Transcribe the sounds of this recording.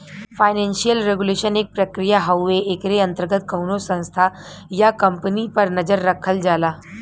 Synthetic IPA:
faːɪnɛ̃nʃijəlɾeɡuleʃəneːk̚pɾəkɾijaɦəwːeekɾeɐ̃nt̪əɾɡət̪̚kɐwnosə̃ñst̪ʰa | jakɐmpənipəɾnɐd͡ʒəɾːɐkʰəld͡ʒaːlaː

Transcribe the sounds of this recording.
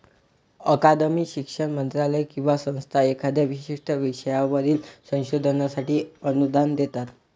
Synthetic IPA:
əkad̪əmiːɕikʂəɽmənt̪ɾaləjkĩw̃ʋasə̃w̃st̪ʰaekʰəd̪ʱeʋiɕiʂʈʰəʋiʂəjaʋəd̪ʱiːlsə̃w̃ɕod̪ʱənasaʈiːənud̪ʱand̪et̪at̪

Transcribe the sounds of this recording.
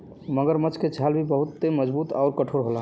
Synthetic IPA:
məɡəɾmət͡ʃʰked͡ʒʱalbʱibəɦut̪ːeməd͡ʒbut̪aʊɾkəʈʰoɾɦola

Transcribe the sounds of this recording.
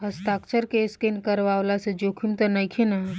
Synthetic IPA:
ɦəst̪akt͡ʃəɾkeskenkəɾʋawlased͡ʒokʰumt̪ɐnajkʰena

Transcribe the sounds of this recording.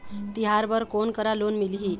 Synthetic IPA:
t̪iɦaɾbəɾkonkəɾalonmiliɦi

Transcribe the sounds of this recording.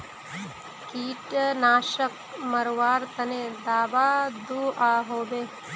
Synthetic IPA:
kiːʈɐnaːʃɐk̚ | mɐɾʋaːɾt̪ɐned̪aːbaːd̪uːaːɦoːbe

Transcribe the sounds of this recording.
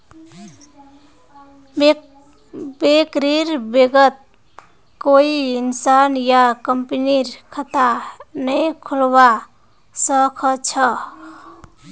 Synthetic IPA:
bekɾiɾbeɡət̪̚ | koiinsanjakəmpiniɾkʰət̪anəjkʰulwa | səkʰət͡ʃʰə

